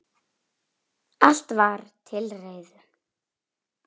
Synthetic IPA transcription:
al̥t̪vaɾ̥t̪ʰɪlreːjðʏ

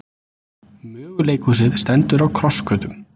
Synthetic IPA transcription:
mʏːɣleːjkus̬ɪðst̪ɛnt̪ʏɾawkʰɾɔskœːt̪ʏm

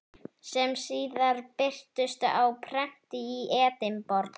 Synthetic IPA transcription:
sɛmsiːðaɾpɪr̥t̪ʏst̪awpʰɾɛm̥t̪ɪiʔɛːt̪ɪmpɔɾt̪

